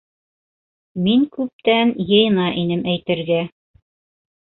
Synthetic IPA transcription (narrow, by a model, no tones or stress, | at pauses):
miŋkʉp̚t̪ænjɤ̆jɤnɑʔin̪ɘmæjt̪ɘ̆ɾɡæ